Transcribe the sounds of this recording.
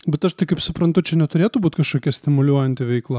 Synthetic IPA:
bʲɛt̪ɐʃt̪ɐɪkɐɪpsʊpɾɐnt̪ʊt͡ʃʲɛnʲɛt̪ʊɾʲeːt̪ʊbuːt̪ʲkɐʃkoːkʲɛsʲt̪ʲɪmʊlʲuɔjɛnʲt̪ʲɪʋʲɛɪklˠɐ

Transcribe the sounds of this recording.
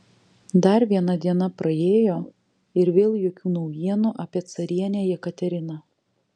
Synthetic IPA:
d̪ɐɾʋʲiɛnɐd̪ʲiɛnɐpɾɐeːjoː | ɪɾʋʲeːlˠjoːkʲuːnɐʊjiɛnuʔɑːpʲiɛt̪sɐɾʲiɛnʲejɛkɐt̪ʲɛɾʲɪnɐ

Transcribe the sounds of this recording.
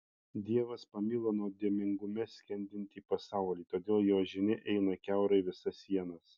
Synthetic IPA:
d̪ʲiɛʋɐspɐmʲiːlˠoːnoːd̪ʲiɛmʲɪŋɡʊmʲɛsʲkʲɛnʲd̪ʲɪnʲt̪ʲiːpɐsɑˑʊlʲiːt̪oːd̪ʲeːlˠjoːʒʲɪnʲɪʔɛɪnɐkʲæˑʊɾɐɪʋʲɪsɐsʲiɛnɐs

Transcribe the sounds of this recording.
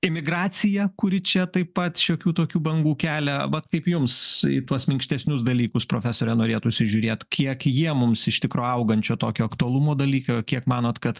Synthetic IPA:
ɪmʲɪɡɾɑːt͡s̪ʲɪjɛkʊɾʲɪt͡ʃʲɛt̪ɐɪppɐt̪ʃʲoːkʲuːt̪oːkʲuːbɐŋɡuːkʲæːlʲɛʋɐt̪kɐɪpjʊmsɪ̰t̪uɔsmʲɪŋksʲt̪ʲɛsʲnʲʊsd̪ɐlʲiːkʊspɾoːfʲæsoːɾʲɛnoːɾʲeːt̪ʊʃʲsʲɪʒʲʊːɾʲeːt̪kʲiɛkjiɛmʊmsɪʃt̪ʲɪkɾoːɐʊɡɐnʲt͡ʃʲoːt̪oːkʲoːɐkt̪ʊɐlˠumoːd̪ɐlʲiːkɐkʲiɛkmɑːnoːt̪kɐt̪

